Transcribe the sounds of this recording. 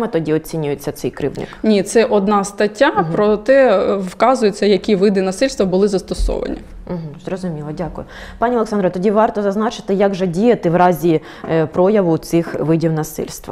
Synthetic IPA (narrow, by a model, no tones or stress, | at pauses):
met̪ɔdʲiɔt͡sʲinʲʊjet͡sʲːɐt̪sɛjkɾɪ̰wnɪ̰kknʲit̪sɛʔɔd̪nɑst̪ɐtʲːapɾɔt̪ɛʋkɑzʊjet͡sʲːɐjɐkʲiʋɪd̪ɪnɐsɪlʲst̪ʋɐbʊlˠɪzɐst̪ɔsɔ̰ʋɐ̰nʲḭ | m̩ɦ̩zrɔzʊmʲilˠɔdʲakʊjʊ | pɑnʲiɔlˠeksɑnɾʋt̪ɔdʲiʋɑrt̪ɔzɐznɑt͡ʃɪ̥t̪ɪjɐɡʒɛdʲijɐt̪ɪʋɾɑzʲi | pɾɔjɐʋʊt̪sɪxʋɪdʲiwnɐsɪ̰lʲst̪ʋ